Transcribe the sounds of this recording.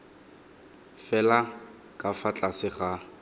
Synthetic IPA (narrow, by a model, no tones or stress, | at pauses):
fɛla | kʼafat͡ɬʼasɪχa